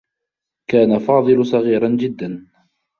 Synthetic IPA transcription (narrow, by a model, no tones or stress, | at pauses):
kaːnafɑːðˤɨlʊsˤɑɣiːɾɑnd͡ʒɪd̪ːan